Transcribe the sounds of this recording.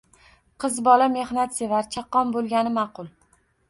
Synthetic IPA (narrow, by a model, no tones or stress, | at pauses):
qʰɨzbɒlame̞hnat̪sevaɾt͡ʃʰaqːɒmbolˠɡʲanɪmɑqʊlˠ